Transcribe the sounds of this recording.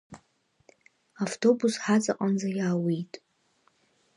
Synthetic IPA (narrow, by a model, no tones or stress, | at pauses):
aftʰo̞busħat͡sʼaqʼand͡zajaːwijtʼ